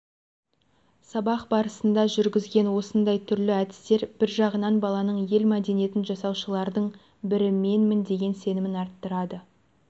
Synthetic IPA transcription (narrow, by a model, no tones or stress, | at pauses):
sɑbɑqbɑɾəsənd̪ɑʒʏɾɡʲɪzɡʲe̞nwo̞sənd̪ɑjt̪ʰʏɾlɪæd̪ɪ̥st̪e̞ɾb̥ɪɾʒɑʁənɑnbɑlˠɑnəɴje̞lmæd̪e̞nije̞t̪ɪnʒɑsɑwʃəlˠɑɾd̪əɴ | bɪɾɪme̞nmɪnd̪e̞ɡʲe̞nse̞nɪmɪnɑɾt̪ːəɾɑd̪ə